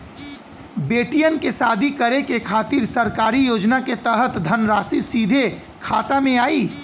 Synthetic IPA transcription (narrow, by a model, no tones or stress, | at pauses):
beːʈijənkesaːd̪ʱikəɾekekʰaːt̪iɾsəɾkaːɾijoːd͡ʒnaket̪əɦət̪d̪ʱənɾaːsisiːd̪ʱe | kʰaːt̪amẽaːiː